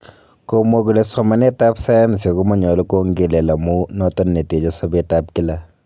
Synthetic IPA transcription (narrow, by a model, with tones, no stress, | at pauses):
ko˨mo˦k̬u˨le˨sɔ˨ma˦nɛ˦ta˦psa˦ja˦ms̬e˨ku˦mɔ˦ɲɔ˨lu˦ko˦ŋɡe˨le˨la˨mu˦nɔ˦tɔ˦nːe˨te˨d͡ʒa˦sɔ˦be˦ta˦p̚ki˦la˦